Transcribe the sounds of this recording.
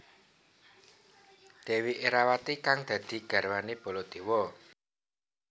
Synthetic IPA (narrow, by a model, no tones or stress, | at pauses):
d̪̥e̤wiʔeɾawat̪ikaŋd̪̥ä̤d̪̥i̤ɡ̥a̤rwaneb̥ɔ̤lɔd̪̥e̤wɔ